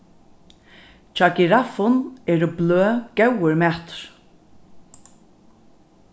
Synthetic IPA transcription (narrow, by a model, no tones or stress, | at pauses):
t͡ʃakiɾafʊnɛːɾəbløːɡɛwəɹmɛt̪ɾ̥